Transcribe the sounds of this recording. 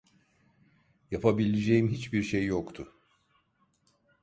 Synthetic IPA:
japʰabilʲed͡ʒejimɦit͡ʃbiɾʃejːokt̪ʰʊ

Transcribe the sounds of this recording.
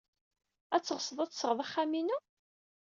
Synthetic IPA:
æt͡sːəʁəsəðˤæt͡sːsəʁðˤaχːæminu

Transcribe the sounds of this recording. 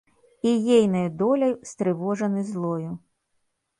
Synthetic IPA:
ijɛjnɐjd̪ɔlʲɐjst̪ɾɨvɔʐɐnɨzlˠɔju

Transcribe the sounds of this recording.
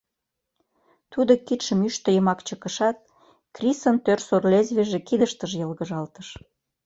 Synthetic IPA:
t̪ud̪okit̪ʃəmyʃt̪ə̆jəmɑkt͡ɕəkəʃɑt̪̚ | krʲisənt̪ørsorlezβeʒekid̪əʃt̪əʒjəlɣəʒɑlt̪əʃ

